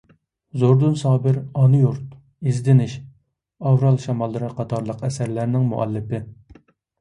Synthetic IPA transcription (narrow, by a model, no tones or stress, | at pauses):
zoɾd̪unsɑːbɪɾɑnujuɾt̪̚ | izd̪ɪnɪʃ | ɑwɾɑlˠʃɑmɑlˠːɨɾɨqʰɑt̪ʰɑɾlˠəqɛsæɾlæɾnɪŋmṵʔɛ̰lːɪpɪ